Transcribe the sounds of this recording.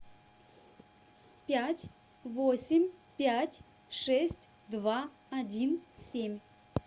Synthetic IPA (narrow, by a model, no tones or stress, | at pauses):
pʲætʲ | vosʲɪmʲpʲætʲ | ʂɛsʲtʲ | d̪va | ɐdʲinsʲemʲ